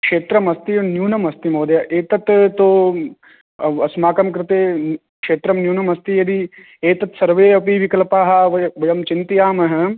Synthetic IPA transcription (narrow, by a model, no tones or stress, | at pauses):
kʂeːt̪ɾɐmɐst̪injuːnɐmɐst̪imoːd̪jɐʔeːt̪ɐt̪t̪ːoː | ɐsmaːkɐmk̬ɾɪt̪eː | kʂeːt̪ɾɐmnjuːnɐmɐst̪ijɐd̪i | eːt̪ɐt̪sɐɾʋeːɐpiʋikɐlɐpaːɦɐʋɐʋɐjɐmt͡ʃint̪ijaːmɐɦɐ